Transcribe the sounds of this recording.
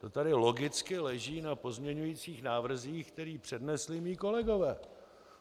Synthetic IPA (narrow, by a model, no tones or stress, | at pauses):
t̪o̞t̪adɪlo̞ɡɪt͡skɪlɛʒiːnapo̞zmɲɛɲujiːt͡siːxnaːvr̩ziːxk̚t̪ɛɾiːpr̝̥ɛdnɛslɪmiːko̞lɛɡo̞vɛː